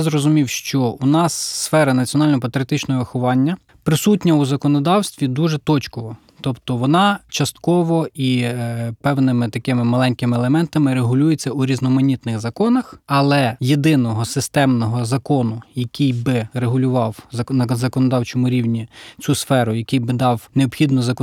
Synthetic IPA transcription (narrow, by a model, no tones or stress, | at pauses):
zɾɔzʊmʲiwʃt͡ʃɔunɑsːfɛɾɐnɐt͡sʲijɔnɑlʲnɔɦɔpɐt̪ɾʲjɐt̪ɪt͡ʃnɔɦɔʋɪxʊʋɑnʲːɐ | pɾɪsutʲnʲɐuzɐkɔnɔd̪ɑwst̪ʋʲid̪uʒɛt̪ɔt͡ʃkɔʋɔ | t̪ɔpt̪ɔʋɔnɑt͡ʃɐst̪kɔʋɔipɛwnɪmɪt̪ɐkɪmɪmɐlˠɛnʲkɪmɪːlˠemɛnt̪ɐmɪɾeɦʊlʲujet͡sʲːɐuɾʲiznɔmɐnʲit̪nɪɣzɐkɔnɐxɐlˠɛjed̪ɪnɔɦɔsɪst̪ɛmnɔɦɔzɐkɔnʊjɐkʲijbɪreɦʊlʲʊʋɑwzɐnɐzɐkɔnɔd̪ɑwt͡ʃɔmʊɾʲiwnʲit͡sʲusfɛɾʊjɐkʲijbɪd̪ɑwneɔpxʲid̪nɔzɐk